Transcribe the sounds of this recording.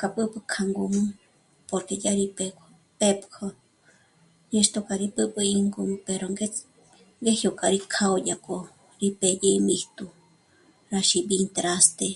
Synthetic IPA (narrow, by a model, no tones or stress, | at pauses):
kapɨpɨkʰaŋɡumɨ | poɾkejaɾipekʰo | pepkʰo | ɲẽʃt̪okʼaɾipɨpɨiŋɡumɨ̃peɾoŋɡe | ŋɡehjokʼaɾikʰaojako | ɾipejeimiht̪u | ɾaʃibint̪ɾast̪e